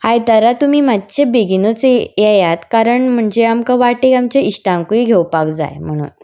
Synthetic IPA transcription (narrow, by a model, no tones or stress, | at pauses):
hajt̪əɾat̪umiːmad̪t͡ɕebeɡinot͡sjajat̪kaɾəɳm̤əɳd͡ʑeamkaʋaʈekamt͡ɕeiɕʈãŋkuiɡʱewpakd͡za̰jm̤əɽ̃ṵːn